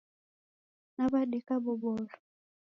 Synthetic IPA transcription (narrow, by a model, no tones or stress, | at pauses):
nabadikʼabʊbɔːlɔ